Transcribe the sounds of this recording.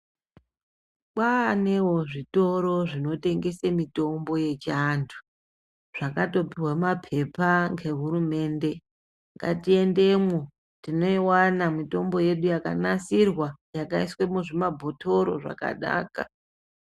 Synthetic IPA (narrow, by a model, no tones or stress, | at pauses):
kwaːne̞woʐito̞ɾo̞ʐino̞te̞ŋɡe̞semito̞mbo̞je̞t͡ʃandʰu̥ | ʐ̥akato̞piwamapʰe̞paŋɡe̞ɦuɾume̞ːnde̞ | ŋɡa̰tie̞nde̞mwo | tino̞iwanamito̞mbo̞je̞ɗujaka̰nasirwajakaiswe̞muʐimabʱo̞tʰo̞ɾo̞̰ʐa̰ka̰ɗa̰ːka̰